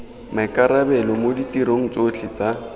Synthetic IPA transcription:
makʼaɾabɛlɔmoditiɾoŋ̩t͡sʼot͡ɬʰɪt͡sa

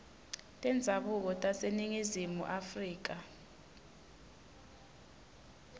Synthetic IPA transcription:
tʼɛnd͡zʱaɓuk̬ɔtʼaseniŋizimṵʔafriːk̬a

